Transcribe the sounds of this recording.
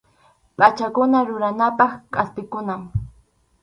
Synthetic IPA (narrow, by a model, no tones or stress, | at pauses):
pʼat͡ʃakʊnaɾʊɾanapɑχkʼaspɪkʊnaŋ